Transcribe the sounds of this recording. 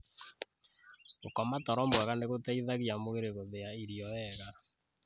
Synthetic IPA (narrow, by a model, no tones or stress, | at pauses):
okɔmatɔɾɔmbwɛɣaneɣotaiðaɣiamoɣeɾeɣoðeaiɾiɔɛɣa